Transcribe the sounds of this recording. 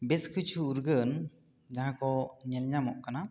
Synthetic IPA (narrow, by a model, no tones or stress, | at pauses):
bɛskʰɯt͡ʃʰuːɾɡən | d͡ʒaɦãkɔɲɛlɲamɔʔkana